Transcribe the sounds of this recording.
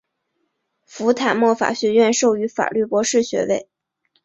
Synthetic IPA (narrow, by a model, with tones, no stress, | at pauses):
fu˧˥t̪ʰa˨˩mwɔ˥˩fa̰˨˩ɕɥɛ˧˥ɥɛ˥˧nʂo˥˩ʊy˧˥fa̰˨˩ly˥˩pwɔ˧˥ʂɻ̩˥˩ɕɥɛ̰˧˥we˥˩ɪ